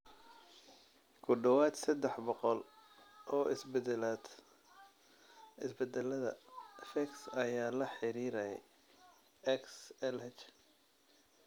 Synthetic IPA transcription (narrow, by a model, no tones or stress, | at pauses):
kʰʊɖɐwaːd̪sɐd̪ɛħbɔqɔlʔɔːʔɪsbɛd̪laːd̪̥ | ɪsbɛd̪ɛlɐðɐ̰fɛksɐjaːlɐħɪɾiːɾɐjɛ̰j | ɛksɛlhɛt͡ʃ